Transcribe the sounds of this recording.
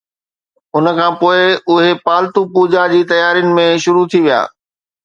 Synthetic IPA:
ʊnə̆kʰãːpoːɪʊɦepaːlt̪upuːd͡ʑad͡ʑiːt̪ɐjaːɾijʊnɪ̆mẽʃʊɾut̪ʰiʋija̰ː

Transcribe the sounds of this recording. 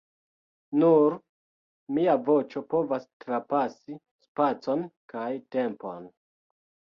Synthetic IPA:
nuɾ | miavo̞t͡ʃo̞po̞vastɾapasi | spat͡so̞nkajte̞mpo̞̰n

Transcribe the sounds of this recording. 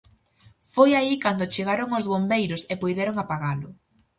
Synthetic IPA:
fojaikand̪ʊt͡ʃeɣaɾoŋʊzβombejɾʊsepojðɛɾoŋapaɣalʊ

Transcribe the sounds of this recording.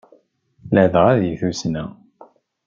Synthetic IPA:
ləʕðəʁæðjəθusnæ

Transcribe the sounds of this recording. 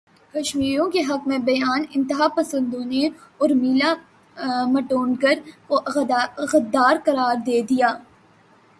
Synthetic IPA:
kɐʃmiːɾõkeɦɐkmẽbɐjaːnɪ̃nt̪ɪɦapɐsə̃nd̪õneɔːɾmila | mɐʈoːnkɐɾ | ɣɐd̪ːaːɾqɐɾaːɾd̪eːd̪ijaː

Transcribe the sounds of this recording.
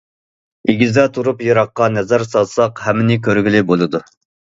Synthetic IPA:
eɡʲizd̪ɛt̪ʰuɾupjɑɾɑqːɑnɛzæɾsɑlsɑqhɛmːɪnɪkʲʰøɾɡʲilɪbolˠɨd̪u

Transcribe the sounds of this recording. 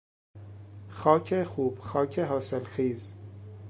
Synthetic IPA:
xɒːcʰexuːb̥xɒːcʰeɦɒːselxiːz

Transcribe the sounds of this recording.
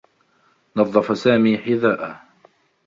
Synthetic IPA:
nɑðˤːɑfasaːmiːħɪðaːʔa

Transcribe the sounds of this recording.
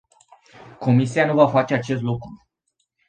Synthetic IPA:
kʰo̞mis̬ianuvafat͡ʃe̞at͡ʃe̞st̪lukɾu

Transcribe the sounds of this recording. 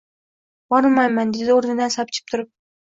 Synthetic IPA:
bɒɾˠmajmand̪ed̪ɪoɾnɪd̪ansap̚t͡ʃʰɪ̥p̚t̪ʰʊɾɪp̚

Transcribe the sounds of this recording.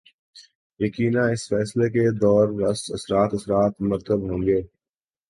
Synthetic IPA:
jɐkiːnãɪsfɛːsleked̪ɔːɾʋɐsɐsɾaːt̪ɐsɾaːt̪mɐɾt̪əbɦõːŋɡeː

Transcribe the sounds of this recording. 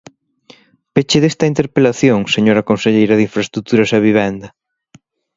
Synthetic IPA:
pet͡ʃeðest̪ɐint̪eɾpelaθjoŋseɲoɾɐkonseʎejɾɐðiɱfɾɐst̪ɾut̪uɾɐsɐβiβ̞ɛnd̪ɐ

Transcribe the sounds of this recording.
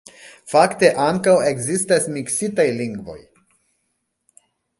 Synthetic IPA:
fakt̪e̞ʔaŋkawe̞ɡzist̪asmiksit̪ajliŋɡvo̞̰j

